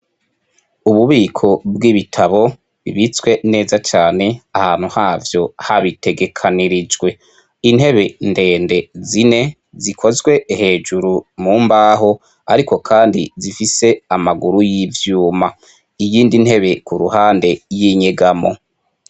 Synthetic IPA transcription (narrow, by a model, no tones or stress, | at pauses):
uβuβiːkʰo̞b̚ɡiβitʰaβo̞ | βiβit͡swe̞ne̞ːzat͡ʃaːne̞ahaːn̥huhaːvjo̞haβite̞ɡe̞kʰaniɾid͡ʒɡwe̞ | in̥he̞βe̞nde̞ːnde̞zine̞ | zikʰo̞zɡwe̞he̞ːd͡ʒuɾumuːmbaːɦo̞ | a̰ɾiko̞kʰaːndḭzifise̞amaɡuɾujivjuːma | ijiːndinhe̞βe̞kuɾṵhaːnde̞jiɲeɡamo̞̰